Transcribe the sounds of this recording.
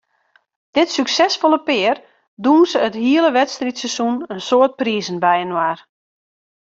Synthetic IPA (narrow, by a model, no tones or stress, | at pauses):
d̥ɪtsyksɛsfolˠəpɪər | dunsəəthiələʋɛtstritsəsunənsoːət̚prizənbɛjənwaːr